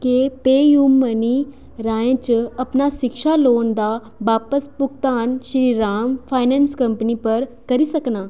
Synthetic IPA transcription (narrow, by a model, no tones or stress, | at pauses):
kepeːjuːmːəni | ɾaːẽt͡ʃɐpnaʃɪkʃaloːnd̪a | ʋaːpəspʊkt̪aːnʃɾiːɾaːmfʰaːɪnẽːnskɐ̃mpnipɐɾkɐɾisɐknaː